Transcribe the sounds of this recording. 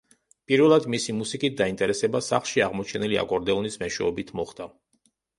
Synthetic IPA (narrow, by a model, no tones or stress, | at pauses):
pʼiɾvɛlˠad̪misimusikʼit̪̚d̪aint̪ʼɛɾɛsɛbasaχlˠʃiaʁmɔt͡ʃʰɛnilia̰kʼɔɾd̪ɛɔnismɛʃwɛɔbit̪ʰmɔχd̪a